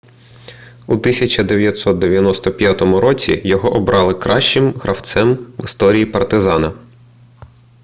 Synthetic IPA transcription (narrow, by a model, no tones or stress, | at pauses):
ut̪ɪsʲɐt͡ʃɐd̪eʋʲjɐt̪sɔt̪̚d̪eʋʲjɐnɔst̪ɔpʲjat̪ɔmʊɾɔt͡sʲḭjɔɦɔʔɔbɾɑlˠɪkɾʔɑʃt͡ʃɪmɦɾʔɐwt̪sɛmʋɪst̪ɔɾʲijipɐrt̪ɪzɑnɐ